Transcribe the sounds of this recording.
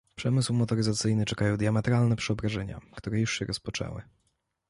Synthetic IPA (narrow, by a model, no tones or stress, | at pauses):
pʂɛmɘswmɔt̪ɔɾɘzat̪sɘjnɘt͡ʂɛkajɔ̃wd̪jamɛt̪ɾalnɛpʂɛɔbɾaʐɛɲa̰kt̪uɾɛjuʂɕɛɾɔspɔt͡ʂɛ̰wɘ̰